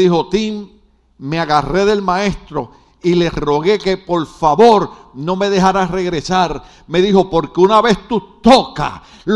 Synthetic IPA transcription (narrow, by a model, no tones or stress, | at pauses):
iho̞t̪imː | e̞aɣareðe̞lmãe̞st̪ɾo̞ | ile̞sro̞ɣe̞ke̞po̞ɾfaβo̞ɾno̞me̞ð̞e̞ɦaɾare̞ɣɾe̞saɾ | me̞ðiho̞po̞ɾkeunaβe̞st̪ut̪oka̰ | l